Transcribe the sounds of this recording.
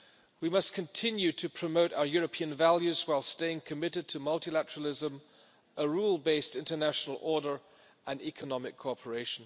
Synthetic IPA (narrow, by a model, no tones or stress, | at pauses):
wimʌskʰɨ̃ntʰɪ̃njʉɾʰɨpʰɹ̥ɨmoʊɾa̰ʊə˞jɔɹɨpʰĩɨ̃nvælˠjʉzwaɪlˠsteɪɪ̃ŋkʰɨmɪɾɨd̚tʰɨmʌlˠtilætəɹl̩ˠɪzə̃m | əɹulˠbeɪstɪ̃ntə˞næʃnl̩ˠʔɔɹɾə˞ | ʔə̃nikʰənɑmɨkʰːɔpʰə˞eɪʃn̩